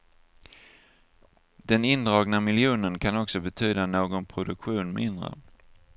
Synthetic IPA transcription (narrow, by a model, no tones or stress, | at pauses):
d̪̥ɛnɪnd̪ɾɑːɡnamɪljuːnənkʰanɔksɔbɛt̪ʰyːd̪anoːɡɔnpʰɾʊd̪ɵkɧuːnmʔɪnd̪ɾə̰